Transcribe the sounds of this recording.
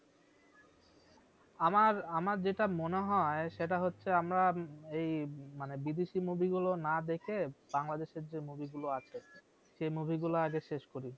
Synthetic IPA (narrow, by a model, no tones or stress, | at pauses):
amaɾamaɾd͡ʑeʈamoneɦɔeʃeʈaɦotːɕʰeamɾaejmanebid̪eʃimubʱiɡulonad̪ekʰeb̥aŋlad̪eʃeɾd͡ʑemubʱiɡuloat͡ɕʰe | ʃejmubʱiɡuloaɡeʃeʃkoɾi